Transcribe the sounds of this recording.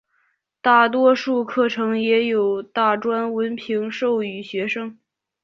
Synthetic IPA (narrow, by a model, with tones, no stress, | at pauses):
t̪a˥˩t̪wɔ˥ʂu˥˧kʰɤ˥˩ʈ͡ʂʰɤ˧˥ŋjɛ˧˥jo˨˩ʊt̪a˥˩ʈ͡ʂwa˥nwə˧˥npʰi˧˥ŋʂo˥˩ʊy˨˩ɕɥɛ˧˥ʂɤ˥ŋ